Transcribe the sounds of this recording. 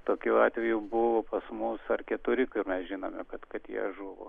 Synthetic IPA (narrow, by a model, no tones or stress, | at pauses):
t̪oːkʲuɑːt̪ʲʋʲɛjubʊʋoːpɐsmʊsɐrkʲɛt̪ʊɾʲɪkʊrmʲɛsʒʲɪnoːmʲɛkɐt̪kɐt̪jḭɛ̰ʒuːʋo̰